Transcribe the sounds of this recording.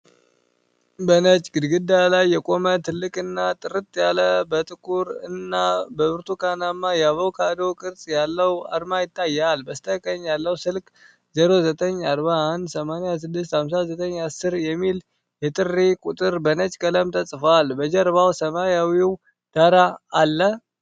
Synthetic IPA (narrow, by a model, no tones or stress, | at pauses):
bənət͡ʃʼɡɨd̪ɡɨd̪ːalajːɛkʼo̞mət̪ʰɨlːɨkʼɨnːat̪ʼɨɾɨt̪ʼjaləbət̪ʼɨkʰʼuɾɨnːabəβɨɾt̪ʰukanamːajaβəwkʰad̪okʼɨɾt͡sʼjalːəwa̰ɾmajɪt̪ʼːajːalbəst̪ʰəkʼəɲːjalːəwsɨlkʼ | zɛɾozət̪ʼəɲːaɾβaand̪səmanjas̬ɨd̪ːɨs̬t̪hamsazət̪ʼəɲːasɨɾjɛmːil | jɛt̪ʼɨrːekʼut̪ʼɨɾbənət͡ʃʼkʼələmt̪ʰəsʼfalbəd͡ʒɛɾβawsəmajawiw | d̪̥aɾaːlːə